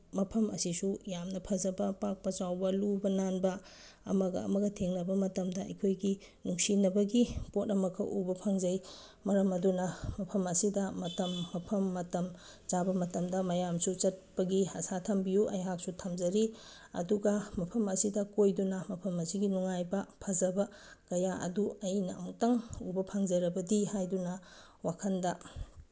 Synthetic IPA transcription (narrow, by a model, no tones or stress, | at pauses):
mɐpʰɐmɐ̰sisujamnɐpʰɐzɐbɐpak̚pɐt͡ʃawbɐlubɐnanbɐ | ɐ̰mɐɡɐ̰ɐ̰mɐɡɐtʰeŋnɐbɐmɐtɐmdɐɐ̰jkʰojɡi | nuŋsinɐbɐɡipot̚nɐmɐkʰːɐʔubɐpʰɐŋzɐj | mɐɾɐmɐdunɐmɐpʰɐmɐsidɐmɐtɐmːɐpʰɐmːɐtɐm | t͡ʃabɐmɐtɐmdɐmɐjamsut͡ʃɐt̚pɐɡihɐsatʰɐmbijuʔɐ̰jɦak̚sutʰɐmzɐɾi | ɐ̰duɡɐmɐpʰɐmɐsidɐkojdunɐmɐpʰɐmɐsiɡinuŋajbɐpʰɐzɐbɐ | kɐjaʔɐ̰duɐjnɐɐ̰wŋtɐŋubɐpʰaŋzɐɾɐbɐdihajdunɐ | wakʰɐndɐ